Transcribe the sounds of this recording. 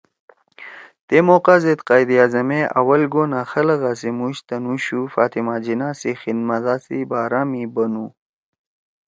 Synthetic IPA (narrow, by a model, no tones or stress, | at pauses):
t̪emoːqazet̪qaːjd̪iaːzɐmeʔɐ̰wɐlɡoːnaxɐlɐɣaːsimuɕt̪ɐnuɕufaːt̪imaːd͡ʑinaːsixinmɐzaːsibaːɾamibɐnu